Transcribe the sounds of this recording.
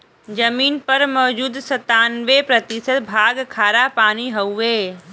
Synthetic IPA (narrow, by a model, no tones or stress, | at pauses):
d͡ʒɐmiːnpɐɾmɔːd͡ʒuːd̪sɐt̪aːnʋepɾɐt̪ɪsət̪bʱaːɡkʰaːɾapaːñiɦɐeː